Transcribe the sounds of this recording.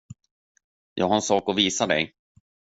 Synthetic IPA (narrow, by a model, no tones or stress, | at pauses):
jʔɑ̰ːɡhaɾɛnsɑːkɔviːsad̪ɛ̰j